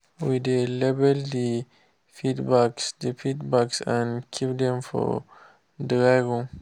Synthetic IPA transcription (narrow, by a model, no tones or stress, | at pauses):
widelɛbɛldi | fidbaksdifidbaksãnkʰipdɛ̃mfɔ̰ | dɾajɡɔ̃m